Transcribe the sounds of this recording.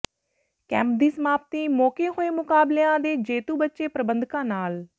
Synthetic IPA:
kɛ̰̃ːmp̚d̪iːsəmaːp̚t̪iːmoːkeːɦoːeːmʊkaːbleãːd̪eːd͡ʒeːt̪uːbətːʃeːpɾəbə̃nd̪kãːnaːl

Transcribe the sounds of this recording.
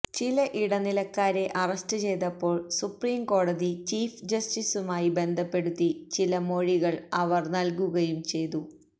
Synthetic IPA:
t͡ɕilɐʔiɽɐnilɐkːaːɾe̞ʔɐrɐstɨt͡ɕe̞jt̪ɐpːo̞ːɭsupriːmko̞ːɽɐðit͡ɕiːfd͡ʑɐstisumaːjibe̞nd̪ʱɐpːe̞ɽut̪ːit͡ɕilɐmo̞ɻiɣɐɭɐʋɐrnɐlkuɣɐjumt͡ɕe̞jt̪u

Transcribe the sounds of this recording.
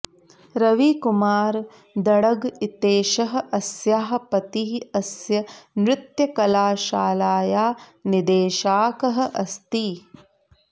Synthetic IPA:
ɾɐʋikumaːɾ | d̪ɐɽɐɡit̪eːʃɐɦɐ̆ʔɐsjaːɦpɐt̪iɦɐsjɐnɾɪt̪jɐkɐlaːʃaːlaːjaːnid̪eːʃaːkɐɦɐ̆ʔɐst̪i

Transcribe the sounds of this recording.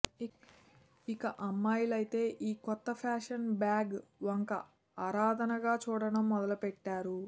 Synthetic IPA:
ikɐʔɐmːaːjlɐjit̪e̞ːʔiːkɔt̪ːɐpʰaːʂɐnbaːɡʋɐŋkɐ̰ | aːɾaːd̪ʱɐnɐɡaːt͡ʃuːɽɐnɐmːɔd̪ɐlupɛʈːaːɾu

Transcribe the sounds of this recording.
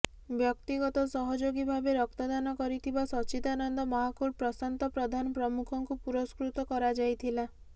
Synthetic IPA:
bjɔk̚t̪iɡɔt̪ɔsɔɦɔd͡ʒoɡibʱabeɾɔk̚t̪ɔd̪anɔkɔɾit̪ʰibasɔt͡ʃit̪anɔnd̪ɔmɔɦakuɾpɾɔsant̪ɔpɾɔd̪ʱanɔpɾɔmukʰɔŋkupuɾɔskɾut̪ɔkɔɾad͡ʒajt̪ʰila

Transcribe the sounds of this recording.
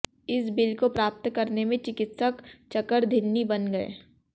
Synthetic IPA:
ɪsbɪlkopɾaːp̚t̪kɐɾnemẽt͡ʃɪkɪt̪səkt͡ʃɐkəɾd̪ʱɪnːibɐnɡɐḛː

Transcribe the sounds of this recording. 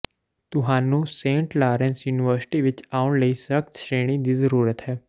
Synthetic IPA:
t̪ʊɦãːnũsẽːɳʈlaːɾẽnsjuːnɪʋəɾsɪ̥ʈiʋɪt͡ʃaːʊɳləisək̚t̪ʃɾeːɽ̃id̪izəɾuːɾət̪ɦɛː

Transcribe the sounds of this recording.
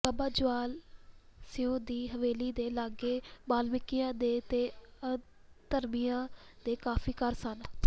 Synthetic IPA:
kəbaːd͡ʒʊʋaːl | sɪjõːd̪iːɦəʋeːliːd̪eːlaːɡeːbaːlmɪkijãːd̪eːt̪eːə | t̪əɾmɪjãːd̪̥eːkaːfʰiːkəɾsən

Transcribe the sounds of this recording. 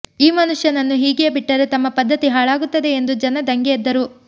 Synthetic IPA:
iːmɐnuʂjɐnɐnːuɦiːɡɛjɐbiʈːɐɾet̪ɐmːɐpɐd̪ʱːɐt̪iɦaːɭaːɡut̪ːɐd̪e̞end̪ud͡ʒɐnɐd̪ɐŋɡɛːd̪ːɐɾu

